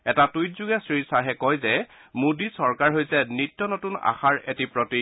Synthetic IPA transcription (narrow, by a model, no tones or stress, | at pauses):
ɛtatujt̚zuɡɛsɹisaɦɛkɔjzɛmudisɔɹkaɹɦojsɛnitːɔnɔtuna̰xaɹetipɹɔti